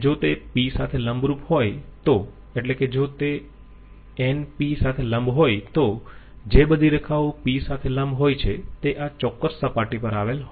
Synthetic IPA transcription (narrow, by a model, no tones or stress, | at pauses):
d͡ʒot̪episat̪ʰeləmbɾuphojt̪o | eʈleked͡ʒot̪e | enpisat̪ʰeləmbʱɦojt̪o | d͡ʒebəd̪ʱiɾəkʰaʋopisat̪ʰelə̃mbɦojt͡ʃʰet̪eʔat͡ʃɔkːəsːəpaʈipəɾaʋelɦo